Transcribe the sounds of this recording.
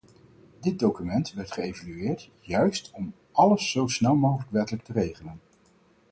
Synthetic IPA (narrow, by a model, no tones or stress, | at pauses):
dɪd̚dowkymɛntʋɛɹtχəejvalyɪːɹt | jœɥstɔm | ʔɑləsːowsnɛlˠmowχələkʋɛtələk̚tərejχələn